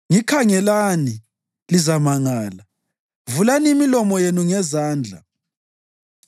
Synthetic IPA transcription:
ŋikʰaŋɛlani | lizamaŋaːla | vulanimilɔmɔjenuŋɛzaːnd͡ɮʱa̰

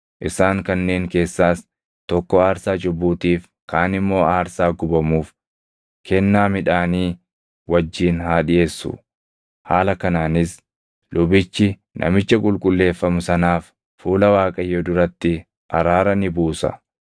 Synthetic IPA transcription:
ʔɪsaːŋkɐnːe̞ːŋke̞ːsːaːs | t̪ɔkːɔaːɾsaːt͡ʃʼʊbːuːt̪iːf | kaːnɪmːo̞ːaːɾsaːɡʊbɐmuːf | kʰɛnːaːmɪᶑaːniː | wɐd͡ʒːiːnhaːᶑɪje̞ːsːʊ̰ | haːlɐkɐnaːnɪs | lʊbɪt͡ʃːɪ | nʔɐ̰mɪt͡ʃːɐkʼʊlkʼʊlːe̞ːfːɐmʊsɐnaːfː | uːlɐwaːkʼɐjːod̪ʊɾɐt̪ːɪ | ʔɐɾaːɾɐnɪbuːsɐ̰

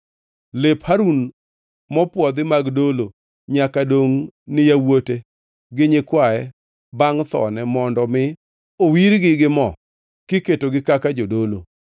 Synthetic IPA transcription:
lephaɾun | mɔpwɔd̪ɪmaɡdolo | ɲakadoŋnɪjawote | ɡɪɲɪkwaɛ | baŋt̪ɔ̰nɛmɔndɔmɪ | owiɾɡɪɡɪmɔ | kɪketoɡɪkakad͡ʒodolo

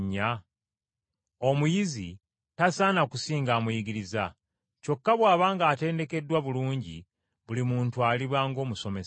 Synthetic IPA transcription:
ɲːa | o̞mujizi | tasaːnakusiːŋɡaːmujiɡiɾiza | co̞kːaβwaːβaːŋɡaːte̞ːnde̞ke̞dːwaβuluːɲɟḭ | βulimuːntualiβwaːŋɡo̞ːmuso̞me̞s

